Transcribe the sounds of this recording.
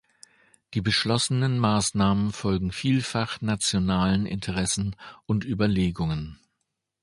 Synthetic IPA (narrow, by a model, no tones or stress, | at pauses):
d̥iːbəʃlɔsənənmaːsnaːmənfɔlɡŋ̩fiːlfaχnat͡sjonaːlənɪ̰ntʰəʁɛsn̩ʔʊntʔyːbɐleːɡʊŋən